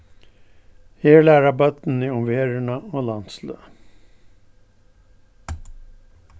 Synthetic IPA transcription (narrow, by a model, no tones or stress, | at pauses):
heːɭæːɾɑbɑt̪n̩iːɔmʋeːɾəɳɑoːlɑnt̪slø̰ː